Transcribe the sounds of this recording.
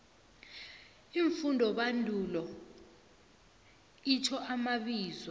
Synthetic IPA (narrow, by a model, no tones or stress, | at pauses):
iɱfundʱɔɓandʱulɔ | itʰɔʔamaɓiːzwɔ